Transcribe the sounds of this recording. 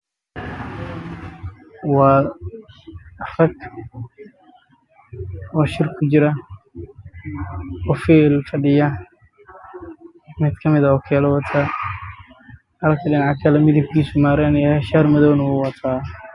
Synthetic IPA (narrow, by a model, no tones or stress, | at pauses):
wɑː | rɐɡ | ɔːʃɪrkʰʊd͡ʒɪɾɐ | ɔfɛːlfɐɖɪjɐ | mɪd̪kʰɐmɪðɐɔːkʰɛːlɐwɐt̪ʰɐ | hɐlkʰɐɗɪnɑʕakʰɐlɐmɪðɪb̚kʰiːsʊmaːɾɛnɛɛʃarmɐðɔwnwʊwɐt̪ʰaː